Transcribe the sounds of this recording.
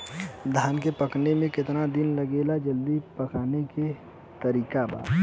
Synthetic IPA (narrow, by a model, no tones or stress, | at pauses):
d̪ʱaːnkepɐknemẽkɪt̪nad̪ɪnlɐɡeːlad͡ʒəld̪ipɐkaːneke | t̪ɐɾiːkaba̰ːɾ